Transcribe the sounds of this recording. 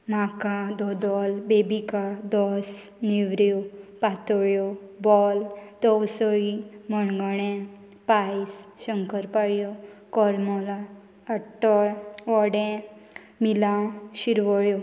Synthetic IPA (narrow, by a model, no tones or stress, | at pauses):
makad̪ɔd̪ɔlbebikad̪ɔs | niʋɾɔpat̪ɔɭjɔbɔld̪ɔwsəiməɳɡəɳ̃ẽ | pajsɕəŋkəɾpaɭjɔkɔɾmɔlaː | ʈɔɭʋɔɽɛ̃ | milaɕiɾʋəɭjɔ